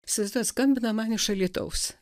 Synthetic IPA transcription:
sʲɪzd̪ɐskɐmʲbʲɪnɐmɑːnʲɪʃɐlʲiːt̪ɐ̰ʊs

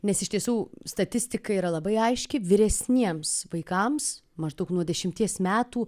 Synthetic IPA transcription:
nʲɛsɪʃt̪ʲiɛsuːst̪ɐt̪ʲɪsʲt̪ʲɪkɐiːɾɐlˠɐbɐɪɐɪʃʲkʲɪʋʲɪɾʲɛsʲnʲiɛmsʋɐɪkɐms | mɐʒd̪ɐʊknuɔd̪ʲɛʃʲɪmʲt̪ʲiɛsmʲæːt̪uː

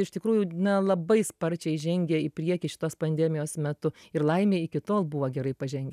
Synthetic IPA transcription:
ɪʃt̪ʲɪkɾuːjʊnʲɛlˠɐbɐɪspɐɾʲt͡ʃʲɛɪʒʲɛŋʲɡʲɛɪpʲɾʲiɛkʲɪʃʲɪ̥t̪oːspɐnʲd̪ʲɛmʲɪjoːsmʲɛt̪ʊɪrlˠɐɪmʲeːɪkʲɪt̪oːlˠbʊʋɐːɡʲɛɾɐɪpɐʒʲɛŋʲɡʲɛ

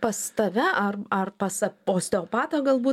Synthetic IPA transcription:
pɐst̪ɐʋʲɛʔɐrɐrpɐsɐoːsʲt̪ʲɛoːpɑːt̪oːɡɐlˠbuː

